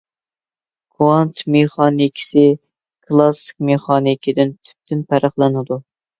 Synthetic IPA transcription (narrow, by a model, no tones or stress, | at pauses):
kʰuɑnt̪ʰmeχɑnkʲʰi̥sɪ | kʰlˠɑsɪ̥k̚ʲmeχɑnikʲʰɪd̪ɪnt̪ʰy̥p̚t̪ʰynpʰæɾəχlˠɨnɨd̪u